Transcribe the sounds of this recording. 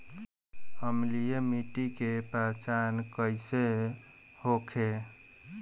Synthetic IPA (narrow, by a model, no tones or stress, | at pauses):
əmlijemiʈikepat͡ʃankəjse | hokʰe